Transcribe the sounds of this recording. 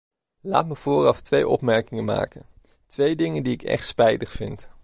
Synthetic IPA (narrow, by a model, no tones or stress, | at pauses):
la̰ːtməv̥ʊːrɑftʋejʔɔ̰pmɛɹkɪŋəma̰ːkən | tʋejdɪŋəndiɪkɛ̰χtspɛjtəχfɪnt